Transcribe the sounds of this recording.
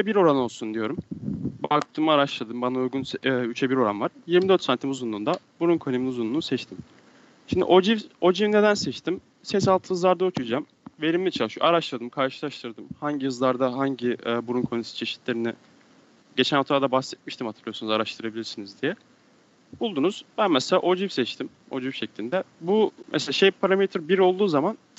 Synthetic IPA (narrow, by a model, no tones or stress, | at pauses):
t͡ʃɛbiɾo̞ɾano̞lˠsund̪ijo̞ɾumbak̚t̪ʰɯːmɯːɾaʃlˠad̪ɯmbanaujɡunsɛːyt͡ʃʰɛbiɾo̞ɾa̰nvaɾ̥jiɾmid̪øɾt̪sant̪ʰimuzunˠuːnd̪abuɾunkʰoneminuzunlˠunːsɛt͡ʃt̪ʰim | ʃimd̪ḭʔod͡ʒivo̞d͡ʒivne̞d̪ænsɛt͡ʃt̪ʰim | sɛs̬alˠt̪ʰɯɯzlˠaɾd̪aot͡ʃʰud͡ʒam | ve̞ɾimlʲɛt͡ʃʰalˠɯʃjo̰aɾaʃlˠad̪ɯmkʰaɾʃɯ̥lˠaʃt̪ʰɯɾd̪ɯmhaɲɟijɯzlˠaɾd̪aɦaɲɟiɛːbuɾunkʰonesi̥t͡ʃʰe̞ʃi̥t̪ʰlʲe̞ɾinɪ | ɟe̞t͡ʃʰænot̪ʰɾaːd̪abaxsɛt̪̚miʃt̪imhat̪ʰɯɾlˠɯjo̞sunuzaɾaʃt̪ʰɯɾabilʲiɾsinizd̪ijɛ | b̥ulˠd̪unuz̥bænmɛselʲa̰ːʔo̞d͡ʒifsɛt͡ʃt̪ʰim | o̞̰d͡ʒifʃeclʲind̪ɛbumɛ̰selʲaːʃejpʰaɾamet̪ʰɾbiɾo̞lˠd̪uːzaman